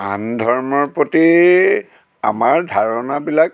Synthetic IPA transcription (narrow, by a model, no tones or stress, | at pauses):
andʱɔɹmɔɹpɹoti | a̰maɹdʱaɹɔnabilak